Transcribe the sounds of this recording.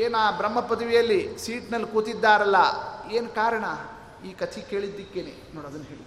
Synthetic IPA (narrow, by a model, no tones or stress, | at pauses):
eːnaːbɾɐmːɐpɐd̪ɐʋijɐlːisiːʈnɐlːkuːt̪id̪ːaːɾɐlːɐeːnkaːɾɐɳɐ | iːkɐt̪ʰike̞ːɭid̪ːikːeːnḛːnoːɽɐd̪ɐnːɦeːɭid̪